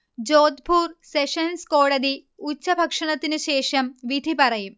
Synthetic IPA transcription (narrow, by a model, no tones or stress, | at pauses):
d͡ʑoːd̪̚bʱuːrseʂɐnskoːɽɐd̪i | ut͡ɕːɐbʱɐkʂɐɳɐt̪ːinɨɕeːʂɐmʋid̪ʱipɐrɐjum